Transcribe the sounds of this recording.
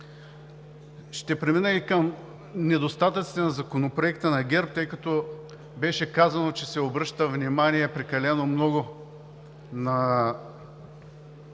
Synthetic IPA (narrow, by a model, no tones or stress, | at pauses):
ʃt̪ɛpɾɛminəikəm | nɛd̪ost̪at̪ɐt̪si̥t̪ɛnɐzɐkonopɾoɛkt̪ənɐɡʲɛɾp̚t̪ɤjkɐt̪o | bɛʃɛkazɐnot͡ʃɛsɛobɾɤʃt̪əvnimaniɛpɾɛkɐlɛnomnɔɡʊ | nɐ